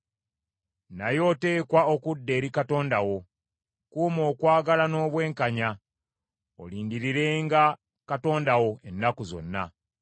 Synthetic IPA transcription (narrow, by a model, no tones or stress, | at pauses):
najo̞te̞ːkwaokudːe̞ːɾikato̞ːndawo̞ | kuːmo̞ːkwaːɡalano̞ːβwe̞ːŋkaɲa | o̰liːndiɾiɾe̞ŋɡa | kato̞ːndawo̞e̞nːakuzo̰nːa̰